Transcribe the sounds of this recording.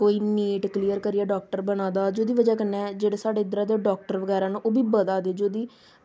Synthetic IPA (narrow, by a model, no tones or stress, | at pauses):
koːiːniːʈkliːəɾkəɾɪjaːɖɔːk̚ʈəɾbənãːd̪aːd͡ʒoːd̪iːʋəd͡ʒaːkənːɛːd͡ʒeːɽeːsaːɖeːɪd̪ɾãːd̪eːɖɔːk̚ʈəɾʋəɡɛːɾãːnũːʔoːbiːbəd̪aːd̪eːd͡ʒoːd̪iː